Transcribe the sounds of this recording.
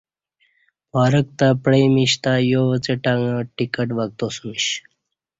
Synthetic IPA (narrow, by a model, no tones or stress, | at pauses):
pɔːɾək̚t̪apɽejmiɕt̪ajoʋət͡səʈaŋə̃ʈikəʈʋaɡ̚t̪osumiɕ